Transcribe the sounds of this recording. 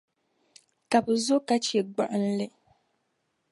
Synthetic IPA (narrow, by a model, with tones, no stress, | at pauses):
ka˨bɨ˨zʊ˦ka˦t͡ʃɛ˨ɡ͡ba˨ʔɨ˦n̩˦lɨ˦